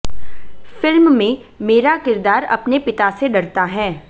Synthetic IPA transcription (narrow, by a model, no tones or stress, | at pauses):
fɪlmmẽ | meːɾakɪɾd̪aːɾɐ̰pnepɪt̪aseɖɐɾt̪aɦɛː